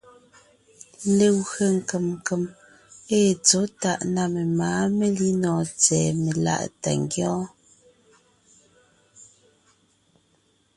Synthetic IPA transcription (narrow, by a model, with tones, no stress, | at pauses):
le˦˨wɣə˦˨ŋ̩˨ke˨m˨kə˨m | e˦˨t͡so˨˦ta˦˨ʔna˦˨me˨maː˨˦me˦li˦nɔː˨t͡sɛː˨me˨la̰˦ʔta̰˨ŋɡjɔ˦